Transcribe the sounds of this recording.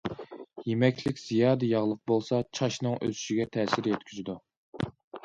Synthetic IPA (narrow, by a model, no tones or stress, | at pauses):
jemɛkʲlɪkʲz̥ijɑːd̪ɨjɑʁlˠəq̚bolˠsɑt͡ʃʰɑʃnɨŋʔø̰zy̥ʃiɡʲɛt̪ʰɛːsɪɾjɛt̪kʲʰyzɪd̪u